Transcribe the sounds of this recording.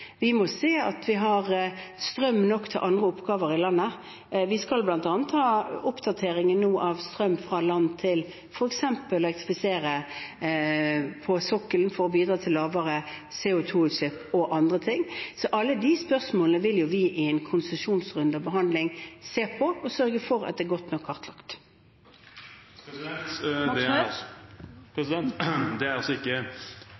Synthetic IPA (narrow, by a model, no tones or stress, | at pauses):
ʋɪmɔseːɑ̰t̪ʰʋɪɦɑɾst̪ɾœmːnɔkt̪ʰɛ̰ʔɑnd̪ʁəʊpɡɑːʋəɾɪlɑnːə | ʋɪskɑlblɑnt̪ɑːnət̪hɑːʊpd̪̥ɑt̪ʰeːɾɪŋənːuːʔɑʋst̪ɾœmːfɾɑlɑnːt̪ʰɪl | fɔɾɛksɛmpəlːɛk̚t̪ʁɪfɪseːɾə | pʰɔsɔkːəlnfɔɾɔbiːd̪ɾɑːt̪ʰɪlːɑːʋəɾəseːʊt̪ʰuːsɪpːɔʔɑnd̪ʁət̪ʰɪŋːsɔʔɑlːəd̪ɪspœʁsmoːlənəʋɪljʊʋɪʔɪɛnkʰʊnsəʃuːnsʁʉnd̪ɑbəɦɑnd̪lɪŋseːpʰɔɔsœɾɡəfɔɾɑ̰d̪ɛːɡɔt̪nɔkʰːɑʁt̪ʰlɑkt̪ | ɛt̪d̪ɛ | pʰɾɛsɪd̪ɛnt̪d̪ɛæɾɑsɔɪkːə